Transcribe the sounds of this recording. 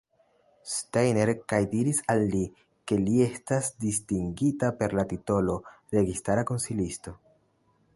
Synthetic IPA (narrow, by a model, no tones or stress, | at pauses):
stajne̞ɾkajdiɾisalːi | ke̞lie̞stasdistiŋɡitape̞ɾlatito̞lo̞ | ɾe̞ɡistaɾako̞nsilisto̞